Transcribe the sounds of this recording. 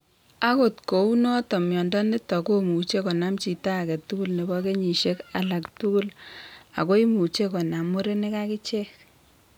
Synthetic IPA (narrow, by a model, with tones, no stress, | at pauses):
a˦ko˨tko˨u˦nɔ˦tɔ˨mjɔ˨ndɔ˦ni˦tɔ˨ko˦mu˨t͡ʃe˦kɔ˨na˦mt͡ʃi˨ta˦˨kɛ˨tu˦ku˦lne˨bɔ˦ke˦ɲi˨ʃe˦ka˨la˨ktu˦ku˦la̰˨ko˦i˦mu˨t͡ʃe˦kɔ˨na˨mo˦ɾe˦ne˦ka˦ki˦t͡ʃe˦k